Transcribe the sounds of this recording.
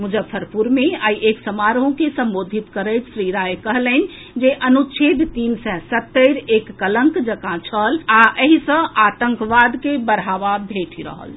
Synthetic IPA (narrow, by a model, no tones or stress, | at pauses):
mud͡ʒəbpʰəɾpuɾmeajiʔeksəmaɾɦõkesə̃mbod̪ʱit̪kəɾəjt̪sɾiɾajkəɦlən | d͡ʒeʔənut͡ʃʰed̪t̪insɛ̃sət̪ːəɾekːələ̃ŋkd͡ʒəkãt͡ʃʰəlaʔəɦisə̃at̪əŋkʋad̪kebəɾɦaʋabʱeʈʰiɾə̰ɦə̰l